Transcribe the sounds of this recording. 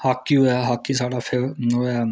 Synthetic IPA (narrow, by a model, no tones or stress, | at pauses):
hakːioɛɦaːkːisaːɽaːpʰɪɾoɛː